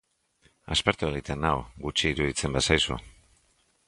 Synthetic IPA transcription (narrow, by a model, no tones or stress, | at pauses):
a̰speɾt̪ueɣ̞it̪enawɡut͡ʃiːɾuðit͡se̞mbesajsṵ